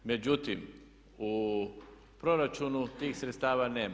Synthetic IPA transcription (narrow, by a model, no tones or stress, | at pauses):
med͡ʒut̪im | u | pɾoɾat͡ʃunut̪iːxsɾet̪st̪aːʋaneː